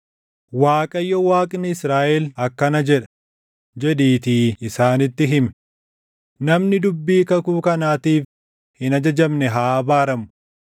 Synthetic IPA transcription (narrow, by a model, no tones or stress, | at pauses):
waːkʼɐjːɔwaːkʼnɪɪsɾaːʔɛlɐkːɐnɐd͡ʒɛᶑɐ̥ | d͡ʒɛᶑ̪iːt̪iːɪsaːnɪt̪ːɪɦɪmɛ̥ | nɐmnɪd̪ʊbːiːkɐkuːkɐnaːt̪iːf | hɪnɐd͡ʒɐd͡ʒɐmnɛɦaːbaːɾɐmʊ̥